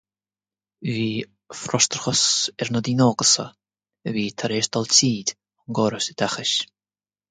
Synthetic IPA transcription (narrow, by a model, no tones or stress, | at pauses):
viː | fɾɔst̪əɾxəsɛɾnəd̪iːnɔːɡəsə̰ | əviːt̪ʰaɾeːʃd̪ɔltiːd̪ʲ | ʊnɡɔːɾəsəd̪axɪʃ